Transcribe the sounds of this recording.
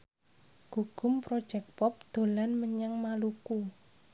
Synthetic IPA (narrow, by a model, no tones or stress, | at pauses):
ɡ̥uɡ̥ʊ̤mpɾod̥ʒ̥ɛk̚pɔp̚d̪̥o̤lanməɲaŋmaluku